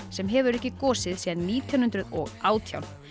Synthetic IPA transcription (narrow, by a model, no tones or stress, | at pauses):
sɛmɦɛvʏɾɛhcɪkɔːsɪðsiːðanːiːt̪ʰjanʏnt̪ɾʏðɔ̰ɣaːwt̪ʰja̰wn